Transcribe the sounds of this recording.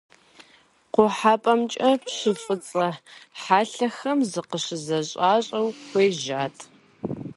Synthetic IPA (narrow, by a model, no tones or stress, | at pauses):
qʷʊħaːpʼɐmt͡ʃʼɐpɕɨfʼɨt͡sʼɐħaːɬɐxɐmzɨqəɕɪzɐɕʼaːɕʼɐwxʷeːʒaːtʰʼ